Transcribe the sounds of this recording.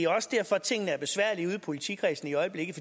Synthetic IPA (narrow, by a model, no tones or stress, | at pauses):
æɒ̽səd̥æɐfɒ̽t͡sʰe̝ŋ̰nəæɐb̥e̝sʋæɐ̰liuð̞ˠpʰo̝lit͡sʰḭkʰʁɛsn̩iɒ̽ɪəb̥le̝ɡ̥̩ˠfɒ̽